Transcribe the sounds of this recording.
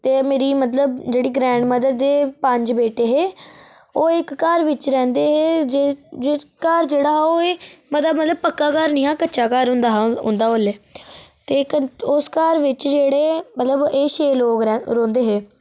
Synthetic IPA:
t̪eːmeːɾiːmət̪ləbd͡ʒeːɽiːɡɾɛ̃ːɳɖməd̪əd̪d̪ːeːpəɲd͡ʒbeːʈeːɦeː | oːɪkːəɾʋɪt͡ʃɾɛ̃ːnd̪eːɦeːd͡ʒed͡ʒɪkəɾd͡ʒeːɽaːoːeːmət̪əbmət̪ləb̚pəkːaːkəɾniːãːkətːʃaːkaːɾʊ̃nd̪aːɦʊ̰nd̪aːolːeːt̪eːkəʊskaɾʋɪt͡ʃd͡ʒeːɽeːmət̪ləbeːʃeːloːɡɾõːnd̪eːɦeː

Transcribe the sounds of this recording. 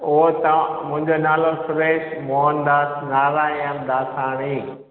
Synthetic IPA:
ot̪ɐmʊ̃ɦɪ̃ɲd͡ʑonaːlofɾeːʃmoɦənd̪aːsnaːɾaeəmd̪aːsaːɽ̃iː

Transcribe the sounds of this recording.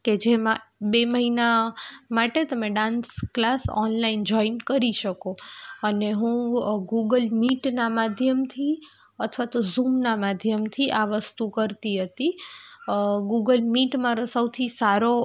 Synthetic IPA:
ked͡ʒemãbeməɦinamaʈet̪əmeɖãnsklasɔ̰nlaind͡ʒɔinkəɾiʃəkoəneɦũɡuɡəlmiʈnamad̪ʱjəmt̪ʰi | ət̪ʰʋat̪ozumnamad̪ʱjəmt̪ʰiʔaʋəst̪ukəɾt̪iɦət̪i | ɡuɡəlmiʈmaɾosəwt̪ʰisaɾo

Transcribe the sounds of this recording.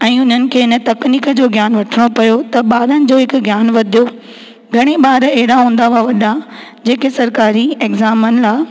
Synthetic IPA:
ɛ̃ːʊn̤ənɪ̆kʰeːɪnə̆t̪ɐkniːkəd͡ʑoːɡʱjaːnʋɐʈʰəɽ̃opɐjot̪ɐɓaːɾənɪ̆d͡ʑoːɦɪkɡjaːnʋɐd̪ʱijo | ɡʱɐɽ̃eɓaːɾeɦɪɾaɦũːnd̪auaʋɐɗa | d͡ʑeːkesɐɾkaːɾieːɡzaːmənɪ̆laː

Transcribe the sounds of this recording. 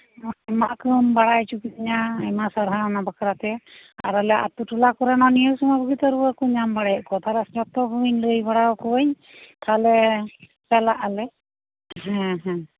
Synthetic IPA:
ɛmaʔkɯmbaɽajt͡ʃukiiɲaɛmasaɾɦanabakaɾat̪ɛa̰ɾalɛʔa̰t̪uʈulakɔɾanɔniəwsumabəɡit̪aɾuakuɲambaɽajɔʔkɔt̪ʰaɾasd͡ʒɔt̪ɔɦuɲləjbaɽawɔkɔɲ | t̪ʰalɛ | t͡ʃalaʔalɛ | ɦɛ̃ɦɛ̃

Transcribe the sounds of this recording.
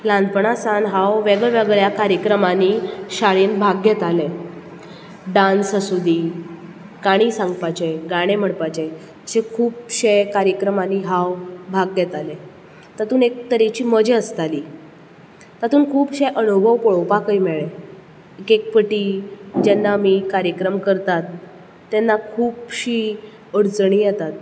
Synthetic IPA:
lãnd̪pəɳasanɦawʋeɡɭɛʋəɡɭjakaɾjəkɾəmaniɕaɭiːnbʱaɡjet̪ale | ɖansəsud̪ʱiː | kaɽ̃isãŋɡpat͡ɕeɡaɽ̃em̤əɽpat͡ɕe | əsekʰuːbɕejkaɾjəkɾəmaniːɦawbʱaɡːet̪ale | t̪at̪uːnek̚t̪əɾet͡ɕiːməd͡ʑeəst̪aliː | t̪at̪uːnkʰuːbɕeʔənubʱəʋpoɭopakəjmeɭe | ekek̚pəʈid͡ʑɛnːamiːkaɾjəkɾəmkəɾt̪at̪ː | anːakʰuːbɕiː | əɽt͡sɳ̃iːjɛt̪at̪̚

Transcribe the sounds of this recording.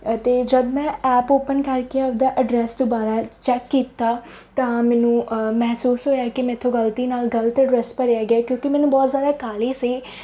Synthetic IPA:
t̪eːd͡ʒəd̪mɛ̃ːɛːpoːpənkəɾkeaːp̚d̪aːʔəɖɾɛːsd̪oːbaːɾaːt͡ʃɛːkːiːt̪aː | t̪ãːmɛːnũːmɛɦsuːsɦoːjaːkɪmɛ̃ːɪt̪ʰːõːɡəlt̪iːnaːlɡəlt̪əɖɾɛːskəɾjaːɡɪaːkjõːkɪmɛːnũːbɔːt̪zjaːd̪aːkaːliːsiː

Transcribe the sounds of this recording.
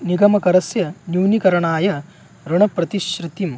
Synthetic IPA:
niɡɐmɐkɐɾɐsjɐnjuwnikɐɾɐɳaːjɐ | ɾuɳɐpɾɐt̪iʃɾɨt̪im

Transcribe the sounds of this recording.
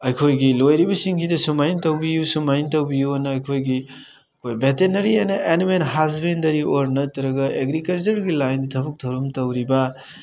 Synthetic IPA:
ɐjkʰojɡilojɾibɐsiŋkʰidɐsumajintɐwbijusumajntɐwbijuɐnɐɐjkʰojɡi | ɐkʰojbetenɐɾiajnɐʔenmenɦazbendɐɾioɾnɐtɐɾɐɡɐʔeɡɾikɐlt͡ʃɐɾɡilajndɐtʰɐbɐk̚tʰɐwɾɐmtɐwɾibɐ

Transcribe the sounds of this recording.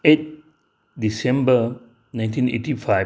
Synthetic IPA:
et̚ | disɛ̃mbə | nãɪ̃ntĩnḛʈifaɪ

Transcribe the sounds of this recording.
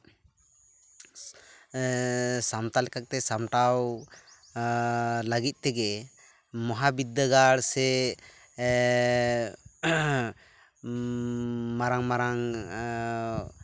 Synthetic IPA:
samt̪alɛkak̚t̪ɛsamʈaw | ləɡit̪̚ˀt̪ɛɡɛ | mɔɦabid̪ːəɡaɽsɛ | maɾaŋmaɾaŋ

